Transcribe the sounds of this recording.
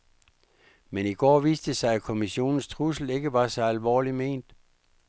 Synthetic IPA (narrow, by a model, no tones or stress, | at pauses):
meniɡ̥ɒ̰ːʋiːsd̥əsɑ̈ɪækʰo̝miɕo̝̰ːnn̩st͡sʰʁus̬l̩e̝ɡ̥əʋɑ̈sɒ̽ælʋɒ̰ːlime̝̰ːnd̥